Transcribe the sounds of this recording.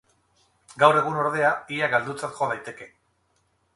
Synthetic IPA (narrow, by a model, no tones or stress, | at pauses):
ɡawre̞ɣ̞uno̞ɾðe̞aiaɡald̪ut͡sat̪ʝoð̞ajt̪e̞ke̞